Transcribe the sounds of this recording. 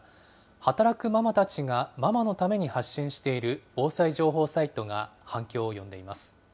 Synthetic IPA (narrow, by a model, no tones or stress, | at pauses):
hat̪aɾakɯ̟mamat̪at͡ɕiɡamamano̞t̪ame̞ɲ̟ihaɕːĩɰ̃ɕi̥t̪e̞iɾɯ̟o̞ːsaiʑo̞ːɦo̞ːsait̪o̞ɡahãŋkʲo̞ːojõ̞nd̪e̞imasɨ̥